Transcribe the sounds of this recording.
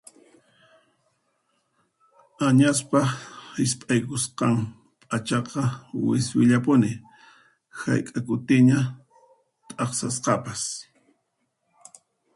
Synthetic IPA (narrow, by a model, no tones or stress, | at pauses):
aɲaspahɪspʼajkʊsqɑm | pʼat͡ʃɑqɑwɪswɪʎapʊnɪ | ha̰jkʼakʊt̪ɪɲa | t̪ʼɑχsasqɑpas